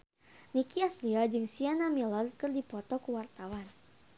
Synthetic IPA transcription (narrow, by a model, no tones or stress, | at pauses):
nikiasliɔd͡ʒɨŋsianamilɔrkɨrdipɔt̪ɔkuwart̪awan